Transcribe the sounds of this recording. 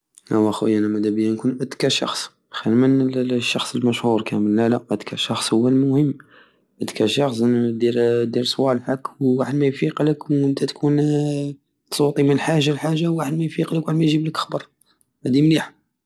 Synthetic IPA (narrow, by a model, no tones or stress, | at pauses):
ʔæwæxṵjænæmæd̪æbəjːænkunʔəd̪kæʃɑ̰xsˤ | xælmənəlʃːɑxsˤəlmæʃhuɾkæməlːælæʔæd̪kʰæʃɑxsˤhʊwːəlmʊhəmː | ʔəd̪kæʃɑxsˤd̪iɾd̪iɾsˤwælfəkwaħəd̪mæjfiqləkənt̪ʰæt̪kʰun | t̪sˤut̪ˤimənħaʒalħaʒːawaħəd̪mæjfiqləkwaħəd̪mæjʒibləkə̥xbɑɾˤ | hæd̪imliħ